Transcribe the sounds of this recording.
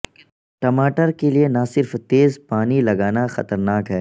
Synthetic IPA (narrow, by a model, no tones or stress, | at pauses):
ʈɐmaːʈəɾkelienasɪɾft̪eːzpaːnilɐɡaːnaxɐt̪əɾnaːkɦɛː